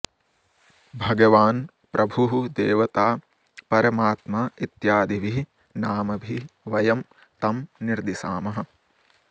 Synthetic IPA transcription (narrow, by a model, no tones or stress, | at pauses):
bʱɐɡɐʋaːn | pɾʔɐbʱuɦd̪eːʋɐt̪aː | pɐɾɐmaːt̪maːit̪jaːd̪iʋi | naːmɐbʱiʋɐjɐm | t̪ɐmniɾd̪isaːmɐɦɐ̆